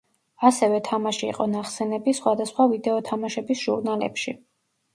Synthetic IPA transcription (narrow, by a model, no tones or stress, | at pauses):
asɛvɛt̪ʰamaʃḭːqʼɔnaχsɛnɛbisχwad̪asχwavid̪ɛɔt̪ʰamaʃɛbisʒ̥ṵɾnalɛ̰pʃḭ